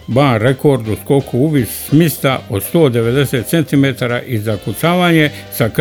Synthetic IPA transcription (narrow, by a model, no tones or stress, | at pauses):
baːnɾe̞ko̞ɾd̪usko̞kʰuuʋissmist̪aʔod̪st̪o̞ːd̪e̞ʋe̞d̪e̞seːt̪se̞nt̪ime̞t̪aːɾaʔizakut͡ʃ̪aːʋaːɲe̞ | sak